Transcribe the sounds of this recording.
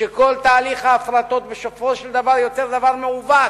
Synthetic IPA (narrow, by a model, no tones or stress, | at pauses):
eko̞lt̪aːliχhaːfɾat̪o̞t̪beʃofoʃeld̪avaʁjo̞te̞ʁd̪avaʁmeuva